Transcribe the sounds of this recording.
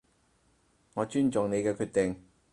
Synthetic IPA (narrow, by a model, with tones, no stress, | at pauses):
ŋɔː˨˧t͡ʃyː˥nt͡ʃʊ˨ŋne˨˧jkɛː˧kʰyː˧t̚t̪e˨˩ŋ